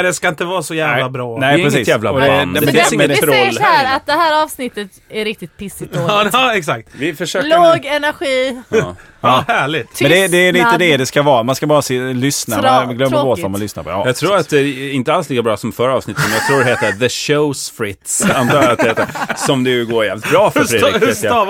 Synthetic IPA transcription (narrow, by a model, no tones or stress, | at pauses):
ɛd̪ɛskaɪnt̪əvɑːɾsɔjæːvlabɾɑːnɛɾɛssiːsjæːvlaɔd̪ɛd̪ɛmɛd̪ɛɾɔlːæːɾat̪̚d̪ɛhæːɾɑːvsnɪt̪ːət̪ | æɾɪk̚t̪ɪt̪̚pʰɪsːɪoɑɛksak̚t̪vɪfœʂøːkloːɡɛnæɾɧiː | ɑːhæːɭɪt̪ʰɛnd̪ɛd̪ɛd̪ɛɪ̃t̪ːəd̪ɛd̪ɛskavɑːɾamanskabɑːɾasɪlʏsnaɡlœmːɡoːɔmanʏsna̰ɾpʰɔ̰ɑ̰jɑːɡ̚t̪ʰɾuːɾat̪̚d̪ɛɪnt̪əalsliːkabɾɑːsɔmfœɾəɑːvsnɪt̪ːəsɔmjɑɡt̪ʰɾuːdɛheːt̪əðəʃoʊsfɾɪt̪sant̪ʰɑːat̪ɛheːt̪əsɔmd̪ɛjʉɡoːjæːvlɪt̪̚bɾɑːfœɾfɾɪet̪j